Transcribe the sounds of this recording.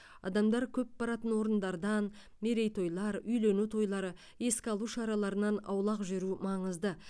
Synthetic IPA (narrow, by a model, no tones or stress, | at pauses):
ɑ̰d̪ɑmd̪ɑɾkʲʰɵp̚bɑɾɑt̪ənwo̞ɾənd̪ɑɾd̪ɑn | me̞ɾe̞jt̪ʰo̞jlˠɑɾʏjle̞nut̪ʰo̞jlˠɑɾə | je̞skʲɑlˠuʃɑɾɑlˠɑɾənɑnɑ̰wlˠɑqʒʏɾumɑɴəzd̪ə